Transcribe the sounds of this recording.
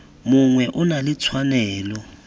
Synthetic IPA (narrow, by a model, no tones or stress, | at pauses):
mʊŋwɛʔʊnalɪt͡sʰwanɛːlɔ